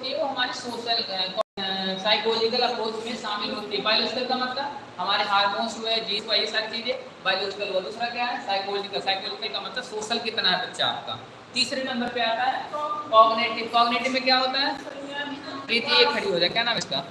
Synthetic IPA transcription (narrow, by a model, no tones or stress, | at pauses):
t̪iɛʋoɦɐmaːɾesoːʃəlkɔsaːɪkoːld͡ʒɪkɐlɐpɾoːsmẽʃaːmɪlɦoːt̪iɛbaːɪloːd͡ʒɪkəlkamɐt̪ləbhɐmaːɾeɦaːɾmõːnsueɦɛd͡ʒiːzʋaːiesaːɾit͡ʃiːzẽː | baːɪloːd͡ʒɪkəlɦuad̪uːsɾakjaɦɛsaːɪkoːlɔd͡ʒɪkɐlsaːɪkoːd͡ʒɪkəlkamɐt̪ləbsoːʃəlkɪt̪naɦɛbɐtːʃʰaa̰ːp̚ka̰ | t̪iːsɾemɛ̃mbəɾpeaːt̪aɦɛːkɔːbneːʈɪkɔːɡneːʈɪbmẽkjaɦoːt̪aɦɛ | ɾeːt̪ieːkʰːɐɽiɦoːd͡ʒaːekjaːnãːmɪst̪a̰ː